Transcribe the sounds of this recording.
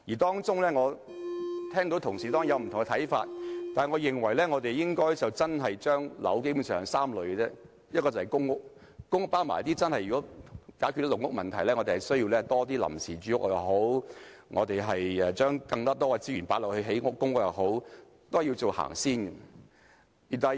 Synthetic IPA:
jiː˨˩t̪ɔː˥ŋt͡sʊ˥ŋlɛː˥ŋɔː˨˧ | t̪ʰɛː˥ŋt̪o˨˥wt̪ʰʊ˨˩ŋsiː˨˩t̪ɔː˥ŋ˥˩jɐ˨˧wm̩˨t̪ʰʊ˨ŋɛ˧t̪ʰɐ˨˥jfa̰ː˧t̚t̪aː˨˩nŋɔː˨˧jɪ˨˩ŋwɐ˨˩jlɛː˥ŋɔː˨˧t̪e˨jjɪ˥ŋkɔː˥jt͡sɐ˨wt͡sɐ˥nɦɐ˨jt͡ʃœː˥ŋlɐ̰˨˥wke˥jbu˨˧˥nsœː˨ŋsaː˥mlɵ˨˧ɥkɛ˧t͡sɛː˥ | jɐ˥t̚kːɔː˧t͡sɐ˨˩hɐ˨˩jkʊ˥ŋːʊ˥k̚ | kʊ˥ŋʊ˥k̚paː˥wma̰ː˨˩jɐ˦t̪iː˥t͡sɐ˥nhɐ˨jy˨kɔ˨˥kaː˨˥ky˥˧t̪ːlʊ˨˩ŋʊ˥k̚mɐ˨˩nt̪ʰɐ˨˩jlɛː˥ŋɔ˧te˨˩hɐ˨˩jsɵ˥ɥji˧wlɛː˥t̪ɔː˥t̪iː˥lɐ̰˨˩msiː˨˩t͡ʃyː˨˧jʊ˥k̚jjɐ̰˨˩wɦo˨˥wŋʔɔ̰ː˨˧t̪e˨˩jɦɐ˨jɛ˨˧t͡ʃœː˥ŋkɐ˧ŋt̪ɔː˥t̪ɔː˥ɐ˧t͡siː˥ɥyː˨˩npaː˨˥lɔ˨˩hɵ˧ɥɦe˨˥jŋʊ˥kːʊ˥ŋʊ˥k̚jɐ˨wɦo˨˥w | t̪o˥hɐ˨˩ji˧t͡so˨wha̰ː˨˩ŋsiː˥nɡɐ˧ | i˨˩t̪aː˨˩

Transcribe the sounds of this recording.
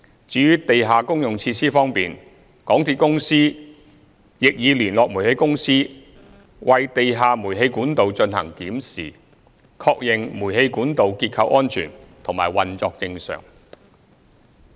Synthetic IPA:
t͡syː˨˥jy˥t̪e˨jɦaː˨kʊ˥ŋjʊ˨ŋt͡sʰiː˧tsiː˥fɔː˥ŋpiː˨n | kɔː˨˥ŋt̪ʰiː˧t̚kʊ˥ŋsiː˥ | jɪ˨k̚jiː˨˧liː˨˩nlɔː˨k̚muː˨˩he˨˧jkʊ˥ŋsiː˥ | wʔɐ˨jt̪e˨jɦaː˨muː˨˩jɦe˧jkuː˨˥nt̪o˨˧wt͡ʃɵ˧nhɐ̰˨˩ŋkiː˨˥msiː˨˩ | kʰɔː˧k̚jɪ˨ŋmuː˨˩he˧jkuː˨˥nt̪o˨wkiː˧t̚kʰɐ˧wʔɔː˥nt͡ʃʰy̰ː˨˩nt̪ʰʊ˨˩ŋmaː˨˩jwɐ˨nt͡sɔː˧k̚t͡sɪ˧ŋsœ̰ː˨˩ŋ

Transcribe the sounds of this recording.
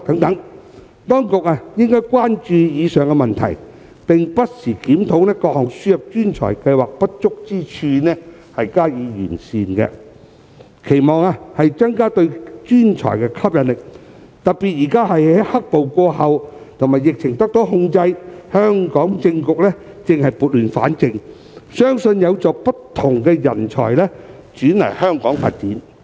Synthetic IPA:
t̪ɐ˨˥ŋt̪ɐ˨˥ŋ | t̪ɔː˥ŋkʊ˨k̚aː˧jɪ˥ŋkɔː˥jkʷaː˥nt͡ʃyː˧jiː˨˧sœː˨˩ŋkɛ˧mɐ˨nt̪ʰɐ̰˨˩j | pɪ˨ŋpɐ˥t̚siː˨˩kiː˨˥mt̪ʰo˨˥wnɛː˥kɔː˧hɔː˨ŋsyː˥jɐ˨p̚t͡ʃyː˥nt͡ʃʰɔ̰ː˨˩jkɐ˧jwaː˨˩k̚pɐ˥t̚t͡ʃʊ˥k̚t͡siː˥t͡ʃʰyː˧nɛː˥ | hɐ˨jkaː˥jiː˨˧jy̰ː˨˩nsiː˨nkɛ̰˧ | kʰe˨˩jmɔː˨ŋaː˧hɐ˨jt͡sɐ˥ŋkaː˥t̪ɵ˧ɥt͡ʃyː˥nt͡ʃʰɔ̰ː˨˩jkɛ˧kʰɐ˥p̚jɐ˨nlɪ˨k̚ | t̪ɐ˨˩t̚pi˨t̚jiː˨˩kaː˥hɐ˨jɐ˨˥jhɐ˥k̚po˨wkɔː˧hɐ˨wt̪ʰmaː˨˩jɪ˨k̚t͡ʃʰɪ˨˩ŋt̪ɐ˥k̚t̪o˨˥wɦʊ˧ŋt͡sɐ˧jhœː˥ŋkɔː˨˥ŋt͡sɪ˧ŋkʊ˨k̚lɛ˥ | t͡sɪ˨ŋhɐ˨jpuː˨t̚lyː˨˩nfa̰ː˨˥nt͡sɪ˧ŋ | sœː˥ŋsɵ˧njɐ˨˧wt͡sɔː˨˧pɐ˥tt̪ʰːʊ˨˩ŋkɛː˧jɐ̰˨˩nt͡ʃʰɔ̰ː˨˩jlɛ˥ | t͡ʃyː˨˥nlɐ̰˨˩jhœː˥ŋkɔː˨˥ŋfaː˧t̚t͡siː˨˥n

